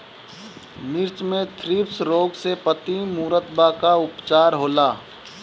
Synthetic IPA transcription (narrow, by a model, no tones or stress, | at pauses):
mɪɾt͡ʃmẽt̪ʰɾiːpsɾoːɡsepət̪imuːɾət̪bakaʊpt͡ʃaːɾɦoːlaː